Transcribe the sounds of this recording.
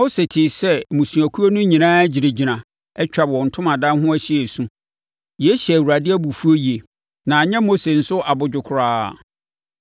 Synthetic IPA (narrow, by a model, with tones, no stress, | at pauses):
o˦se˨tʰɪ˨sɛ˦˨mũ˨sũ˨æ˨kʰu˦o˦nʊ̃˦ɲĩ˨nãː˦d͡ʑi˨ɾe˨d͡ʑi˨nã˨ | ɛ˦t͡ɕᶣa˨bɔ̃˨n̩˨tʰʊ̃˦mã˨dã˦hʊ̃˦æ˦ɕɪ˦e˨sũ˦ | jɛ˨˦ɕæ˨wu˨ɾa˨dɪ˦æ˦bu˨fu˦o˦ji˨e˨ | nã˨ɲɛ̃˦mo˦se˨n̩˦sʊ˦ʔa˨bʊ˨d͡ʑᶣʊ˨kʰʊ˨ɾaː˦˨